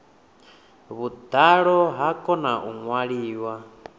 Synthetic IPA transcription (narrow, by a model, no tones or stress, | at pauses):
βud̪aɺɔɦakʼɔnaʔuŋwaɺiːwa